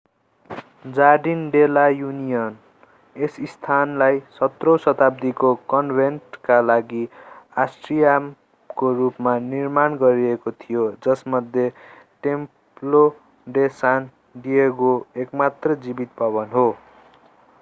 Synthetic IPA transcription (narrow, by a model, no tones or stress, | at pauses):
d͡zaɖinɖelajunijʌn | esist̪ʰanlajsʌt̪rosʌt̪ab̚d̪ikokʌnbʱenʈkalaɡiasʈrijam | korupmanirmanɡʌɾiekot̪ʰijod͡zʌsmʌd̪ʱje | ʈem | plo | ɖesan | diekoekmat̪rʌd͡zibit̪̚bʱʌβʌnɦo